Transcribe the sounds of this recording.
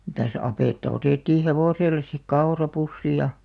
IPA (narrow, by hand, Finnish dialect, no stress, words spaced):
mitæs ɑpeˑtːɑ oteˑtːiː heʋoˑselːes sik kɑorɑpusːi jɑ